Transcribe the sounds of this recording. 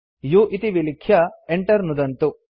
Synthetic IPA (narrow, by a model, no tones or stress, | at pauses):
juʔit̪iʋilikʰjɐeɳʈɐɾnud̪ɐnt̪u